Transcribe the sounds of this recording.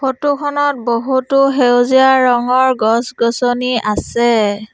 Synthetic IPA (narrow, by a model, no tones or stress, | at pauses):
pʰotukʰɔnɔt̚boɦutʊɦewziaɹɔŋɔɹɡɔsɡɔsɔniasɛ